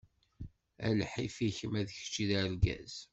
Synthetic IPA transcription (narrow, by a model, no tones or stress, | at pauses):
æ̰lħifiçəmæðəç̥t͡ʃːiðæɾɡæ̰z̥